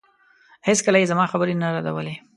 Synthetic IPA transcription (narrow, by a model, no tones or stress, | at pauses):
heskəlajezamɑxabəɾenaɾad̪a̰wəle